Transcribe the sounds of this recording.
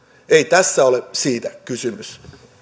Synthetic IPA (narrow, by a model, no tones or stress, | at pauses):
eit̪æsːæolesiːt̪ækysymys